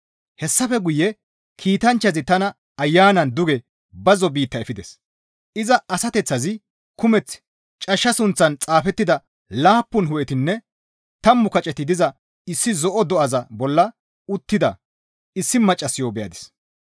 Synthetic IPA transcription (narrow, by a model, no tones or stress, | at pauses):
hɛsːɐfɛɡʊjːɛ | kʰiːt̪ɐnt͡ʃːɐzɪt̪ɐnɐ | ɐjːaːnɐnd̪ʊɡɛ | bɐzɔbiːt̪ːɐɛfɪd̪ɛs | ɪzɐɐsɐt̪ɛt͡sːɐzɪ | kʊmɛt͡sː | t͡ʃʼɐʃːɐsʊnt͡sːɐnt͡sʼaːfɛt̪ːɪd̪ɐ | laːpːʊnɦʊʔɛt̪ɪnːɛ | t̪ɐmːʊkɐt͡ʃʼɛt̪ɪd̪ɪzɐ | ɪsːɪzɔʔɔd̪ɔʔɐzɐbɔlːɐ | ʊt̪ːɪd̪ɐ | ɪsːɪmɐt͡ʃʼːɐsːɪjoːbɛjɐ̰d̪ɪ̥s